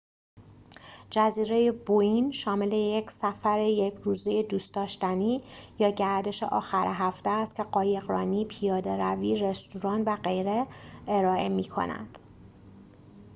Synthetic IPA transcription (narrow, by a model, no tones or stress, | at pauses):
d͡ʒæziːɾe̞jeboinʃɒːmele̞jecʰsæfæɾejecʰɾuːzejed̪uːst̪ɒːʃt̪æniːjɒːɟæɾd̪e̞ʃḛʔɒ̰ːxæɾeɦæft̪eːst̪cʲʰe̞ɢɒːje̞ɣɾɒːniːpʰijɒːd̪e̞ɾæviːɾe̞st̪uɾɒːnvæɢejɾeeɾɒːʔe̞miːkʰo̰næ̰d̪̥